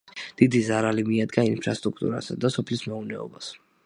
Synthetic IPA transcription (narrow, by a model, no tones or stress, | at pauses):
d̪̥id̪izaɾalimiad̪ɡainpʰɾa̰st̪ʼɾuk̚ʰt̪ʼṵɾa̰sad̪asɔpʰlismɛunɛɔ̰bas